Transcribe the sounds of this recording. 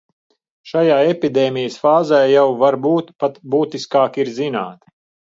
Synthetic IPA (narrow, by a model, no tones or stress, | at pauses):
ʃajaːepid̪eːmʲijəsfaːzɛjjawvaɾbuːt̪pat̪buːt̪iskaːkiɾzina̰ːt̪